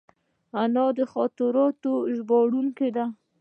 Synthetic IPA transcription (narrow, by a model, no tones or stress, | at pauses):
anɑd̪əxɔt̪ɪɾɑt̪oʒbɑɽuŋked̪a